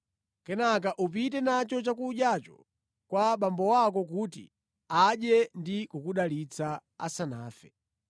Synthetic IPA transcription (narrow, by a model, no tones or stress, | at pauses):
kɛnak̬aʔup̬itɛnat͡ʃɔt͡ʃakuɗjat͡ʃɔ̥̰ | kwaɓambɔwakɔkut̬ḭ | aɗɛndikukuɗalit͡sʰaa̰sanaːfɛ